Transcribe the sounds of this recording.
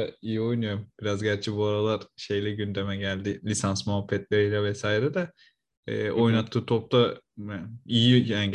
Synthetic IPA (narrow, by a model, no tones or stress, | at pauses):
ijio̞jnɯjo̞ɾumb̥iɾazɟæɾt͡ʃʰɛbuaɾalˠaɾ̥ʃe̞jlʲɛɟynd̪emɛɟælʲd̪ɪlʲisansmaɦafːɛt̪lʲeɾilʲɛvɛsaːiɾɛd̪ɛ̰ː | o̞jnat̪ʰːɯːt̪ʰo̞p̚t̪ʰa | ijiæɲ